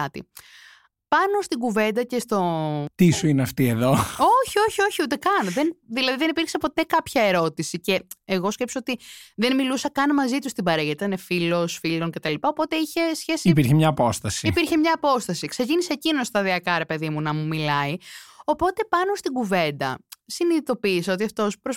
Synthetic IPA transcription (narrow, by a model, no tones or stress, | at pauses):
ɐt̪ḭ | pɐno̞st̪iɡuve̞nd̪ɐce̞st̪o̞t̪isuineɐft̪ie̞ðo̞o̞çio̞çio̞çiut̪e̞kɐnðenðilɐðiðe̞nipiɾksepo̞t̪e̞kɐpçɐe̞ɾo̞t̪isice̞eɣo̞sce̞psoot̪iðenmilusɐkɐnmɐzit̪ust̪ibɐɾeʝɐit̪ɐinefilo̞sfilo̞nce̞t̪ɐlipɐo̞po̞t̪e̞içe̞sçe̞siipiɾçemɲɐːpo̞st̪ɐsiipiɾçemɲɐːpo̞st̪ɐsikse̞cinise̞ːcinost̪ɐðiɐkɐɾe̞pe̞ðimunɐmumilɐio̞po̞t̪e̞pɐnost̪iɡuve̞nd̪ɐ̰siniðit̪o̞piːsɐo̞t̪iɐft̪o̞spɾo